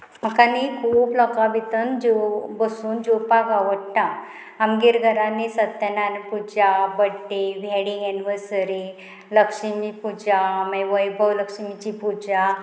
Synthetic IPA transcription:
m̤əkanikʰuːplɔkabit̪ənd͡ʑobəsuːnd͡ʑopakaʋəɽʈã | amɡeɾɡʱəɾanisət̪ːənanpud͡ʑabəɽʈeʋʱɛɽĩŋɡɛniʋəɾsəɾi | ləkʂəmipud͡ʑamaʋəjbʱəwləkʂəmit͡ɕipud͡ʑa

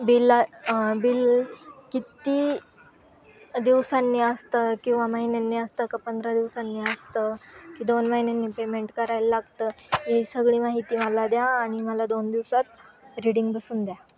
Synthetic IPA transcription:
bil | bilkit̪i | d̪iʋsanːiːəst̪əkĩw̃ʋaməɦinenːiːəst̪əkapənd̪ɾad̪iʋsanːiːəst̪əkiːd̪onməɦinenːiːpemeɳʈkəɾajlalaɡt̪əːjesəɡɭiːmaɦit̪iːməlad̪jaːɽ̃iməlad̪ond̪iʋsat̪̚ɾiɽiŋɡbəsuːnd̪ja

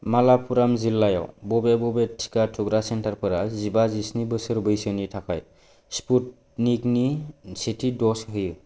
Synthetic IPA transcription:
malapʰuɾamzilːajɔ̰wbɔbebɔbetʰi̥katʰuɡɾasentaɾpʰɯɾazibazisnibɯsɯɾbɯjsɯnitʰakʰaj | sput̚ | niknisitʰidɔsɦɯjɯ

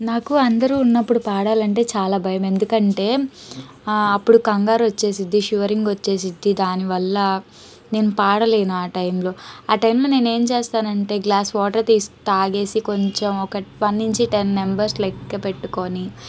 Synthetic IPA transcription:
naːkuɐnd̪ɐɾuːnːɐpːuɽupaːɽaːlɐɳʈe̞ːt͡ʃaːlaːbʱɐjɐme̞nd̪ukɐɳʈe̞ː | ɐpːuɽukɐŋɡaːɾʋɐt͡ʃːe̞ːs̬id̪ːiʃuʋɐɾiŋɡʋot͡ʃːe̞ːs̬id̪ːid̪aːniʋɐlːɐ | ne̞ːnupaːɽɐle̞ːnuaːʈɐjmlo̞ːaːʈɐjmlo̞ːne̞ːne̞ːmt͡ʃeːst̪aːnɐɳʈe̞ːɡlaːsʋɔːʈɐɾt̪iːsu̥t̪aːɡe̞ːsiko̞ɲt͡ʃemɔkɐpɐnːiɲt͡ʃiʈenːembɐɾslɐkːɐpe̞ʈːuko̞ːni

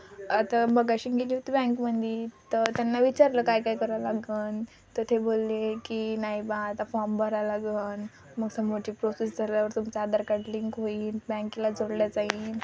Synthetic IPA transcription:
at̪abəɡaɕiːɡeliʋt̪bɛ̃ŋkmənd̪ʱiːt̪ət̪janːaʋit͡ɕaɾləkajkaikəɾalaɡəːn | t̪ət̪ʰebolːekinaibãt̪afɔmbəɾalaɡəːn | məɡsəmod͡ʑiːpɾosesd͡zʱaljaʋəɾt̪umt͡saːd̪əɾkaʈliŋkɦoiːnbɛ̃ŋkilad͡zoɽljat͡saɦiːn

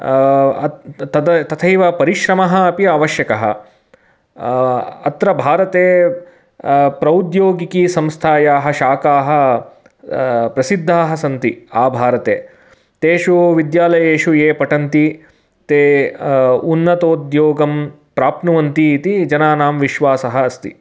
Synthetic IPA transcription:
ɐt̪ɐt̪ʰɐjʋɐpɐɾiʃɾɐmɐɦɐ̆ːpiɐːʋɐʃjɐkɐɦɐ̰ | ɐt̪ɾɐbʱaːɾɐt̪eː | pɾɐud̪joːɡikiːsɐmst̪ʰaːjaːɦɐ̆ʃaːkaːɦɐ̆ | pɾɐsid̪ʱːaːɦɐ̆sɐnt̪iaːbʱaːɾɐt̪ḛː | t̪eːʃuʋid̪jaːlɐjeːʃujeːpɐʈɐnt̪i | t̪eː | unːɐt̪oːd̪joːɡɐm | pɾaːpnɐʋɐnt̪iːt̪id͡ʒɐnaːnaːmʋiʃʋaːsɐɦɐ̆ɐst̪ḭ

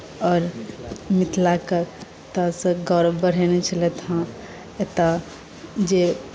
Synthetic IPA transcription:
ɔːɾmit̪lakə | t̪asəɡɔɾbəɽ̤enet͡ʃʰəlet̪ɦã | et̪a | d͡ʒe

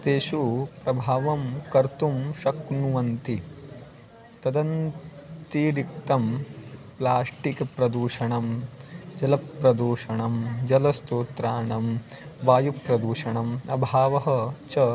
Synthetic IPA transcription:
t̪eːʃupɾɐbʱaːʋɐmkɐɾt̪umʃɐknuʋɐnt̪i | t̪ɐd̪ɐnt̪iɾik̚t̪ɐmplaːsʈikpɾɐd̪uːʂɐɳɐmd͡ʒɐlɐpɾɐd̪uːʂɐɳɐmd͡ʒɐlɐst̪oːt̪ɾaːɳɐm | ʋaːjupɾɐd̪uːʂɐɳɐmɐbʱaːʋɐɦɐt͡ʃɐ

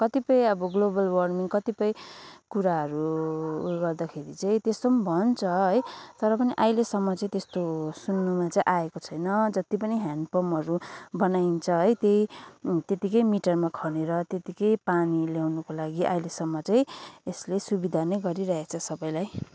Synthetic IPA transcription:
kʌt̪ipʌj̃ʌbʌɡlobʌlwʌrmiŋkʌt̪ipʌjkuɾaɦʌɾu | ɡʌrd̪akʰeɾit͡saĩt̪est̪ombʱʌnt͡sʰʌɦʌjt̪ʌɾʌpʌniʔajlesʌmːʌt͡sãĩt̪est̪osunːumat͡saĩʔaekot͡sʰʌjnʌd͡zʌt̪ipʌniɦanpʌmʌɾubʌnaint͡sʰʌɦʌjt̪jejt̪et̪ikʌjmiʈʌrmakʰʌneɾʌt̪jet̪ikʌjpaniljawnʌkolaɡiʔa̰jlesʌmːʌt͡saĩeslesubid̪ʱanʌjɡʌɾiɾʌɦet͡sʰʌsʌbʌj̃laj

